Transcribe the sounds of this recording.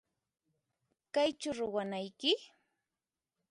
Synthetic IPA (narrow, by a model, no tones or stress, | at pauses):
kajt͡ʃʊɾʊwanajkɪ